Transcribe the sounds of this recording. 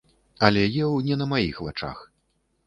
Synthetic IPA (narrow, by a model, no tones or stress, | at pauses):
ɐlʲɛjɛwnʲɛnɐmajḭxvat͡ʂa̰x